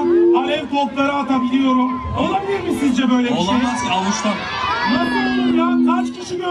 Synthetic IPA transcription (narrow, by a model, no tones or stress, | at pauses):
aɾɛvkʰo̞lˠklˠaɾɯat̪ʰabilʲijo̞ɾum | olˠabilʲimisind͡ʒɛbø̞jlʲɛolˠiaalˠɯʃlˠaɾ | nasɯd̪ujankʰat͡ʃcʰiʃiɡ